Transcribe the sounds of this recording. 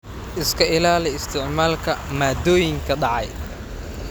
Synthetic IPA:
ʔɪskʰɐʔɪlaːlɛɪst̪ʰɪʕmaːlkʰɐmaːd̪ɔːjɪŋkʰɐɖɑʕɑj

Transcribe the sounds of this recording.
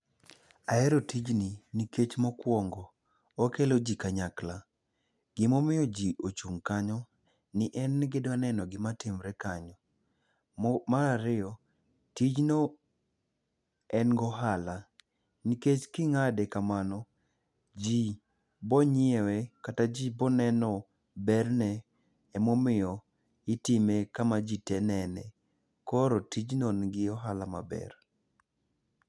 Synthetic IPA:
aɛɾotid͡ʒniniket͡ʃmɔkwɔŋɡɔ | okelod͡ʒikaɲakla | ɡ̥ɪmɔmɪjɔd͡ʒiʔot͡ʃuŋkaɲɔ | nɪʔɛnɡɪdwanɛnɔɡɪmatɪmɾɛkaɲɔ | maaɾɪjɔ | tid͡ʒnɔ | ɛnɡɔɦala | niket͡ʃkɪŋadɛkamanɔ | d͡ʒi | bɔɲɪɛwɛkatad͡ʒibɔnɛnɔ | bɛrnɛː | mɔmɪjɔ | ɪtɪmekamad͡ʒitɛnɛnɛ | kɔɾɔtid͡ʒnonɡɪɔɦalama̰bɛ̰r

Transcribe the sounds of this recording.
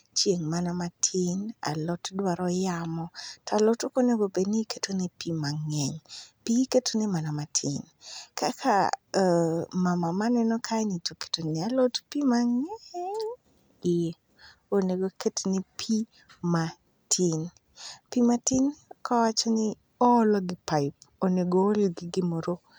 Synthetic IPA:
t͡ʃjeŋmanamatʰɪna̰lɔtdwaɾɔjamɔtʰalɔtokoneɡobeniketonepimaŋɛɲpiketonemanamatʰɪ̰n | kʰakʰa̰ | mamamanɛnɔkʰajnitoke̥tonɪalotpimaŋɛɛɲ | oneɡoketnipʰi | ma | tʰin | pimatinkɔwat͡ʃɔnɪ | ɔlɔɡɪpaɪp̚oneɡoːlɡɪɡɪmoɾo

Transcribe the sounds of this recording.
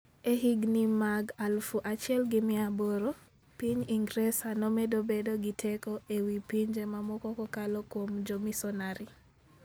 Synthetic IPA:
eɦiɡnimaɡalfuʔat͡ʃɪɛlɡɪmɪaboɾo | piɲiŋɡɾesanɔmedobedoɡitʰekɔewipiɲd͡ʒemamɔkɔkɔkalokwomd͡ʒomisɔnaɾi

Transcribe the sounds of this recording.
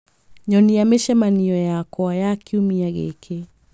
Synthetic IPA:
ɲɔniameʃɛmaniɔjakɔajakiumiaɣḛkʰe

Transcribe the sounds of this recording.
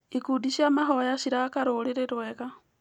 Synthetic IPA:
ikudiʃiamaɦɔjaʃiɾakaɾoɾeɾeɾwɛɣa

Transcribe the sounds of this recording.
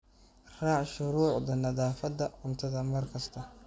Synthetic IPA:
r̥ɑʕʃʊɾuːʕd̪ɐnɐðaːfɐd̪ɐʕʊnt̪ʰɐðɐmɐrkʰɐst̪ʰɐ

